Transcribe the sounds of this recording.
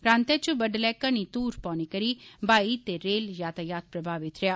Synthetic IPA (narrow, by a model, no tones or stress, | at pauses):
pɾãːnt̪et͡ʃubɐɖlɛːkːənit̪uːɾpɔ̃ːnikɐɾibaːit̪eɾeːljaːt̪ajaːt̪̚ʰpɾɐbʱaːʋɪt̪ɾejaː